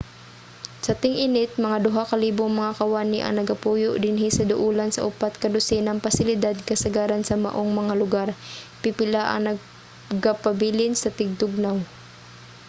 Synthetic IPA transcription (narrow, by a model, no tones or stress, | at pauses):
sɐt̪ɪŋʔɪnɪt̪̚mɐŋad̪ʊɦakɐliːboŋmɐŋakɐwaːnɪʔɐ̰ŋnɐɡɐpuːjoʔd̪ɪnɦɪsɐd̪ʊʔuːlansɐ̰ʔʊpat̪̚kɐd̪ʊsɛnɐŋpɐsɪlɪd̪ad̪̚kɐsɐɡaːɾansɐmɐ̰ʔoŋmɐŋalʊɡaɾpɪpɪlaʔɐ̰ŋnɐɡ̚ | ɡapɐbiːlɪnsɐt̪ɪɡ̚d̪ʊɡ̚naw